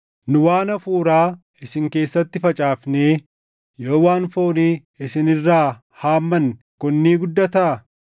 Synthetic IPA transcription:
nʊwaːnɐfuːɾaː | ɪsɪŋke̞ːsːɐt̪ːɪfɐt͡ʃʼaːfneː | joːwaːnfoːniː | ɪsɪnɪrːaː | haːmːɐn | kʊnːiːɡʊd̪ːɐt̪ɐʔɐ

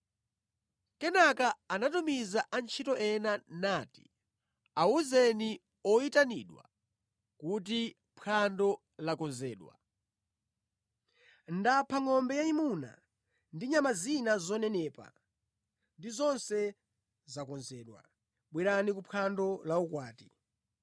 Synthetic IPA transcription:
kɛnakaanatumizaʔant͡ʃʰitɔʔɛnanaːti̥̰ | auzɛni | ɔitanḭɗwa̰ | kut̬i | pʰandɔ | lakɔnzɛːɗwa̰ | ndapʰaŋɔmbɛjaimuna̰ | ndiɲamazinazɔnɛnɛːpa̰ | ndizɔnsɛ | zakɔnzɛːɗwa̰ | ɓwiɾanikupʰandɔlaukwaːti̥

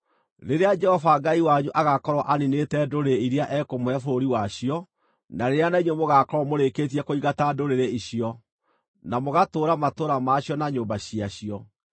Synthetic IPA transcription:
ɾeɾead͡ʒɛhɔvaɡaiwaɲuʔaɣakɔɾɔʔaninetɛdoɾeiɾeaʔɛkomoɛfoɾoɾiwaɕiɔ | naɾeɾeanaiɲwemoɣakɔɾɔmoɾeketiɛkoiɣatadoɾeɾeiɕiɔ | namoɣatoːɾamatoɾamaːɕjɔnaɲoːmbaɕiaɕiɔ

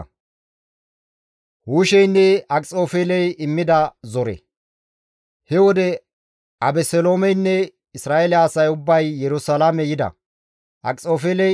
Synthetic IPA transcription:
huːʃɛjnːɛɐkʼt͡sʼo̞ːfeːlɛjɪmːɪd̪ɐzɔɾɛ̰ | hɛwɔd̪ɛ | ɐbɛsɛlo̞ːmɛjnːɛ | ɪsɾaːɛlɪːsɐjʊbːɐjːɛɾʊsɐlamɛjɪd̪ɐ̰ | ʔɐ̰kʼt͡sʼo̞ːfeːlɛ

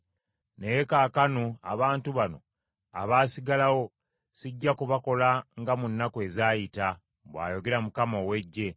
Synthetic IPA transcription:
ne̞jekaːkanoa̰βaːntuβano̞̰ | a̰βaːsiɡalawo̞ | siɟːakuβako̞laŋɡamunːakwe̞ːzaːjita | bwa̰ːjo̞ɡe̞ɾamukamowe̞ɟːe̞

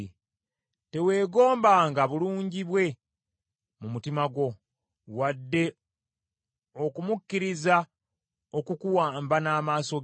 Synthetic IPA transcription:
te̞we̞ːɡo̞ːmbaːŋɡaβuluːɲɟiβwe̞ | mumutimaɡo̞ | wadːe̞ | okumukːiɾiza | o̞kukuwaːmbanaːmaːso̞

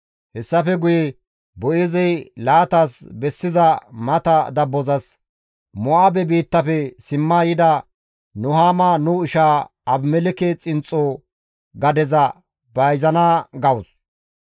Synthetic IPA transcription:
hɛsːɐfɛɡʊjɛ | bɔʔɪzɛjlaːt̪aːsbɛsːɪzɐmɐt̪ɐd̪ɐbːɔzɐs | mɔʔabɛbiːt̪ːɐfɛsɪmːaːjɪd̪ɐ | nʊhaːmaːnuːɪʃaːɐbmɛlɪkɛt͡sʼɪnt͡sʼoː | ɡɐd̪ɛzɐ | bɐjzɐnaːɡɐwʊs

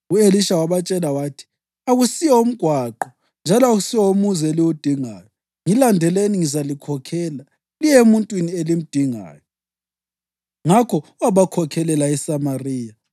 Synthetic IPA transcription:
ueliʃawaβat͡ʃʼɛlawaːtʰi̥ | aɣusijɛom̩ɡ̥ʱwaǃɔ | nd͡ʒʱalɔaɣusiwɛomuzɛliwud̥ʱiŋaːjɔ | ŋilandʱɛleniŋizalikʰɔkʰɛːla | lijemuntʼwinielim̩d̥ʱiŋa̰ːjɔ | ŋakʰɔwaβakʰɔkʰɛlɛlaɛsamariːja

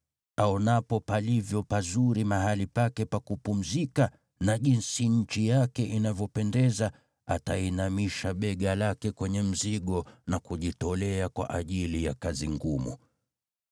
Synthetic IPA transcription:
aɔnapɔpalivjɔpazuɾimaɦalipakɛpakupum̩zika | naʄinsiɲ̩t͡ʃijakɛʔinavjɔpɛndɛza | atainamiʃaɓɛɠalakɛkwɛɲɛm̩ziɠɔnakuʄitɔlɛakwa̰ʔaʄilija̰kaziŋɡumṵ

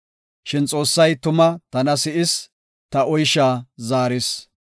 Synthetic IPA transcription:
ʃɪnt͡sʼo̞ːsːɐjt̪ʊmɐt̪ɐnɐsɪʔɪs | t̪ɐɔjʃaːzaːɾɪs

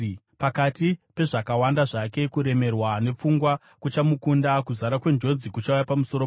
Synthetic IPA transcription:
pakatipe̞ʐakawandaʐake̞kuɾe̞me̞rwane̞p͡fuŋɡwa | kut͡ʃamukundakuzaɾakwe̞nd͡ʒo̞nzikut͡ʃaujapamusoɾo

